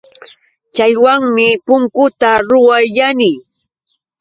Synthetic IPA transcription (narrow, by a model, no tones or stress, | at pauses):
t͡ʃajwaŋmɪpʊŋkʊt̪aɾʊwajʎanɪ